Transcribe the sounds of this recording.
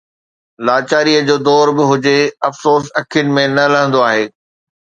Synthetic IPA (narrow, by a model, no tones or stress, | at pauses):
laːt͡ɕaːɾiəd͡ʑoːd̪ɔːɾbɪɦʊd͡ʑeɐfsoːs̬ɐkʰijʊnɪ̆mẽnɐlɐɦə̃nd̪oaːɦeː